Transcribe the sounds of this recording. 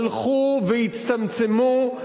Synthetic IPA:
lχuvejit͡st̪amt͡semu

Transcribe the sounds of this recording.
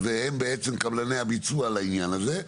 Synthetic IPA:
veɛmbeɛt͡siŋ̩kablaneabit͡sualaiɲanaze

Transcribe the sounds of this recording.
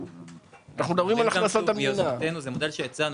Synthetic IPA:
anaχnumd̪ɐbʁimalaχanasoamijonaat̪enuzemod̪elʃejat͡san

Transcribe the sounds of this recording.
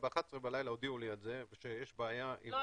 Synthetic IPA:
beaχasʁebalajlaod̪iulijad̪zeveʃejeʃbeajaʔi

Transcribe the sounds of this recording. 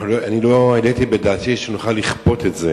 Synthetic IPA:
loanilo̞elet̪ibedaːt̪iʃenuχalːiχpo̞t̪etze

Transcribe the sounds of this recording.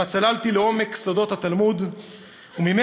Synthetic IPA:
at͡salalt̪ileomeksod̪o̞t̪hat̪almud̪ | umime

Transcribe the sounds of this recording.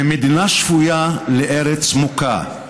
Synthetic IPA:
emid̪inaʃfujaleʔeɾet͡smuka̰

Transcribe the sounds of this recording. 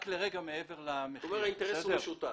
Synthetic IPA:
kleʁeɡameeve̞ʁlameomeʁhaint̪eʁeseʃut̪a

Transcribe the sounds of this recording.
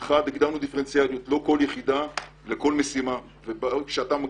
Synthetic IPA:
χad̪iɡd̪aʁnud̪ife̞ent͡sialjut̪lo̞ko̞ljeχid̪a | leko̞lme̞sima | vebakʃeat̪amaɡ

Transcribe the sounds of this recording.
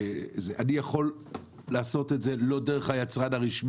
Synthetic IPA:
zeʔanijaχo̞lː | aːso̞t̪etze̞lo̞deʁeχajat͡sʁanaʁiʃm

